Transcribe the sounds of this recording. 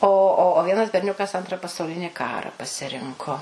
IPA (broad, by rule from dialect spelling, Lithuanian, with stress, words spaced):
oː ˈoː oː ˈʋʲiɛnɐs bʲɛrʲˈnʲʊkɐs ˈɐntrɐ pɐsɐʊˈlʲɪnʲɪ ˈkɑːrɐ pɐsʲɪˈrʲɪŋkoː